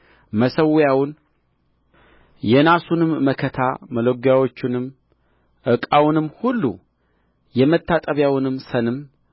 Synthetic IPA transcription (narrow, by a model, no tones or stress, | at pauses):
məsəwjawʊn | jɛnasunɨmːəkʰət̪ʰaməloɡjawo̞t͡ʃːɪnɨm | ʔɨkʼawnɨmːhulːṵ | jɛmət̪ʰːat̪ʼəβjawnɨmːsənɨm